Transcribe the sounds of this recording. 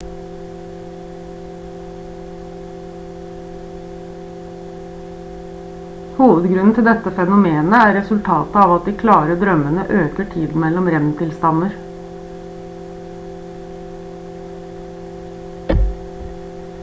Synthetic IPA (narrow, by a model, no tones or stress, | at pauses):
huːʋəd̪ɡɾʉnn̩t̪ʰɪld̪ɛt̪əfɛnʊmeːnəæːɾɛsʉlt̪ʰɑːt̪əɑːʋɑt̪̚d̪iːkʰlɑːɾəd̪ɾœmənəʔøːkəʈʰiːd̪n̩mɛlɔmɾɛnt̪ʰɪlst̪ɑnəɾ